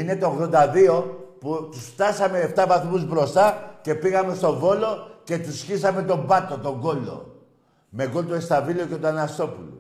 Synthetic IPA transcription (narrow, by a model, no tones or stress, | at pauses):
ine̞t̪oːɣðo̞nd̪ɐðio̞put̪usft̪ɐsɐme̞ːft̪ɐvaθmuzbɾo̞st̪ɐce̞piɣɐme̞st̪o̞vo̞lo̞ce̞t̪usçisɐme̞t̪o̞mbɐt̪ːo̞t̪o̞ŋɡo̞lːo̞̰ | me̞ɡo̞lt̪oest̪ɐvilioce̞t̪oanɐst̪o̞pulṵ